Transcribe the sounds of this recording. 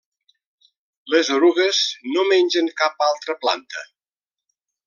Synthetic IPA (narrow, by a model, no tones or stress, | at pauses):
ləzoɾuɣəznomenʲʒəŋkapalˠt̪ɾəpla̰nt̪ə̰